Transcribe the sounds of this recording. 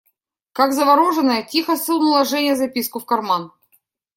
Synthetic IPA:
kakzəvɐɾoʐɨnəjətʲixəsɨlˠnʊlˠɐʐɛnʲɪjəzɐpʲiskʊfkɐrman

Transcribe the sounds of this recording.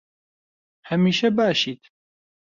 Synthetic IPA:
hɐmiːʃɛbaːʃiːt̪

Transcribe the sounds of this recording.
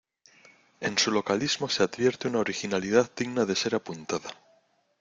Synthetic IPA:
e̞̰nsulo̞kalizmo̞sead̪βje̞ɾt̪eunaoɾixinaliðaðd̪iɣnaðe̞se̞ɾapunt̪aða

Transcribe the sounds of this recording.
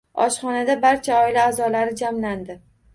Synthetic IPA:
ɒʃχɒnad̪abaɾt͡ʃʰaɒɪlaːzɒlaɾɪd͡ʒamland̪ɪ

